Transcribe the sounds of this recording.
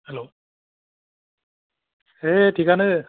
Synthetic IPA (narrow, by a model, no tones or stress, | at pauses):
hɛlo | eʈʰikanɨ